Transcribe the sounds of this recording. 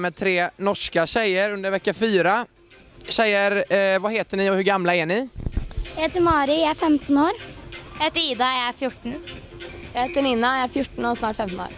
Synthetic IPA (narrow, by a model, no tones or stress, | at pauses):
mɛt̪ʰɾeːnɔʂkaɕɛjːəɾɵnd̪əɾvɛkːafyːɾa | ɕɛjːəɾvaheːt̪əɳɪɔhɵɾɡamlaæɳɪ | jaheːt̪əɾmɑːɾɪjaæɾfɛmt̪noːɾjeːt̪əɪd̪ɑjaæɾfjʊʈːɳ̩ | jaheːt̪əɳɪnːajaæɾfjʊʈːn̩ɔsnɑːʈfɛmt̪no̰ːɾ